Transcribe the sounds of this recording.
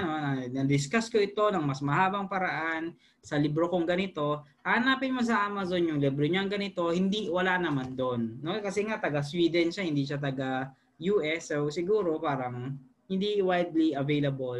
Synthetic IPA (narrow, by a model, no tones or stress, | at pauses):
no̞nɐnɐd̪ɪskaskoʔɪt̪o̞nɐŋmɐsmɐɦaːbɐŋpɐɾɐʔan | sɐlibɾokoŋɡɐnɪt̪o̞haːnaːpɪnmos̬ɐʔaːmɐzonjʊŋlɛbɾoɲoɐŋɡɐnɪt̪o̞hɪnd̪iwɐlanɐmand̪onːo̞kɐsɛŋat̪ɐɡɐswiːd̪ɛnʃahɪnd̪iːʃat̪̬ɐɡa | juːʔɛsowsɪɡuːɾo̞paːɾɐŋ | hɪnd̪iwajd̪liɐvejlɐbol